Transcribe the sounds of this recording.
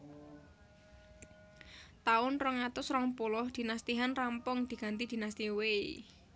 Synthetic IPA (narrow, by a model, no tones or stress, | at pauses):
t̪aʊnrəŋat̪ʊsrɔŋpulɔhd̪̥i̤nast̪iɦanrampʊŋd̪̥i̤ɡ̥a̤nt̪id̪̥i̤nast̪iwej